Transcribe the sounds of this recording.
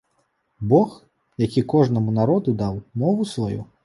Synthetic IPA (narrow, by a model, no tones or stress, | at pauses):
bɔx | jakʲikɔʐnɐmunaɾɔd̪ud̪awmɔvusvajṵ